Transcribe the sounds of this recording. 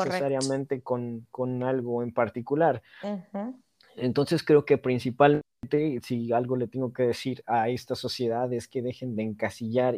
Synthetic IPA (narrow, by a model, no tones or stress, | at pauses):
esaɾjamẽ̞nt̪e̞ko̞nkonalɣo̞e̞mpaɾt̪ikulaɾ | ent̪o̞nse̞skɾe̞oke̞pɾinsipalm | nt̪e̞sialɣo̞le̞t̪e̞ŋɡo̞ke̞ðe̞siɾae̞st̪aso̞sje̞ðaðe̞ske̞ðe̞xe̞nd̪eːŋkasiʝaɾ